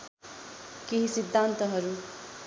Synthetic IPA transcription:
keɦisid̪ʱːant̪ʌɦʌɾu

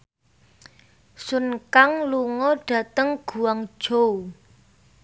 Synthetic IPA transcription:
sunkaŋluŋɔɖ̥ä̤t̪əŋɡ̥ṳwaŋd̥ʒ̥o

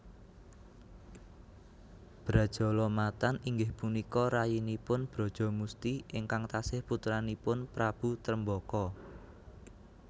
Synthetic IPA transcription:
b̥ɾad̥ʒ̥ɔ̤lɔmat̪aniŋɡɪhpunikɔɾajinipʊnb̥ɾɔ̤d̥ʒ̥ɔ̤must̪iʔɪŋkaŋt̪asɪhput̪ɾanipʊnpɾab̥ṳt̪ɾəmbɔkɔ

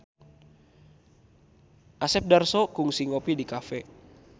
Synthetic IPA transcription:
ʔasɛp̚darsɔkuŋsiŋɔpidikafɛ

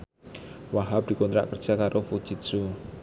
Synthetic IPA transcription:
waɦap̚d̥̪i̤kɔnt̪ɾa̰ʔkərd͡ʒ̥akaɾʔofu̥ʒ̥it̪̚su

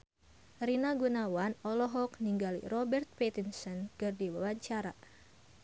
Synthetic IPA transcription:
rinaɡunawanɔlɔɦɔkniŋɡalḭrɔbɛrt̪̚pet̪insɔnkɨrdiwəwaɲt͡ʃaɾa

